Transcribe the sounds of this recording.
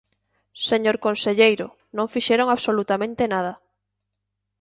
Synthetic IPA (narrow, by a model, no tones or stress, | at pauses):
seɲoɾkonseʎejɾʊ | nõŋfiʃeɾoŋaβsolut̪amẽnt̪enað̞ɐ